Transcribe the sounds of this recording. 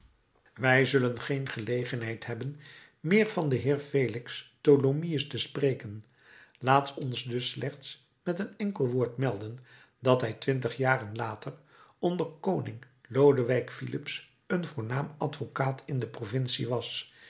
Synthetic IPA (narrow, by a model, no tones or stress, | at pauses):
ʋɛjzɵlənχejnχəlejχənɦɛjtɦɛbən | mɪːɹvɑndəɦɪːɹvejlɪkstolomiəstəspreːkən | laːtɔnsdɵslɛχts | mɛtənɛŋkəlˠʋʊːɹtmɛlˠdən | dɑtɦɛjtʋɪntəχjaːrənlaːtər | ɔndərkownɪŋ | lowdəʋɛjkfilɪ̰ps | ənvʊːɹnaːmɑtfokaːtʰɪndəprovɪnsḭʋɑs